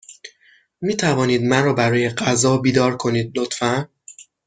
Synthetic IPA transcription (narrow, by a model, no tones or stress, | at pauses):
miːt̪ʰævɒːniːd̪mænɾɒːbæɾɒːjeɢæzɒːbiːd̪ɒːɾkʰo̞niːd̪̚lot̪fæn